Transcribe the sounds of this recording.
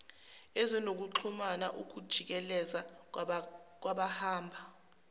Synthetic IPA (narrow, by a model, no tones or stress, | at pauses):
ezinok̬uǃʰumana̰ʔuk̬ud̥ʒ̥ʱik̬ɛlɛza | k̬waɓahaːmbʱa